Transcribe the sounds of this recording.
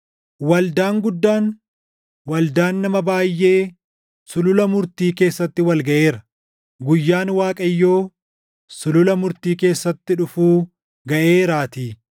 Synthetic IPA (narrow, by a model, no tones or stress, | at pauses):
wɐld̪aːŋɡʊd̪ːaːn | wɐld̪aːnːɐmɐbaːjːe̞ː | sʊlʊlɐmʊɾt̪iːke̞ːsːɐt̪ːɪwɐlɡɐʔe̞ːɾɐ | ɡʊjːaːnwaːkʼɐjːo̞ː | sʊlʊlɐmʊɾt̪iːke̞ːsːɐt̪ːɪᶑʊfuː | ɡɐʔe̞ːɾaːt̪iː